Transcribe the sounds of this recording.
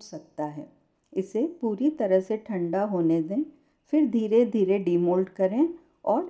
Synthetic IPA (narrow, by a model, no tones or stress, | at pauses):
sɐk̚t̪aɦɛː | ɪsepuːɾit̪ɐɾəɦseʈʰɐ̃ɳɖaɦoːned̪ẽː | fɪɾd̪ʱiːɾed̪ʱiːɾeɖiːmoːlɖkɐɾẽ | ɔːɾ